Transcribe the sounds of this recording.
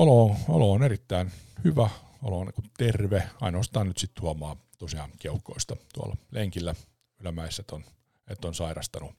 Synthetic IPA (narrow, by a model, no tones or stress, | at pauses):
oloːo̰loːnerit̪ːæinhyʋæ | o̰lonkut̪erʋeɑinoːst̪ɑːnnyt̪sit̪tuɑmɑːt̪osiɑ̰ːŋkeukːˑoist̪ɑt̪uɑ̰lːɑleŋkilːæ | ylæmæisːet̪on | et̪ːonsɑirɑst̪ɑnu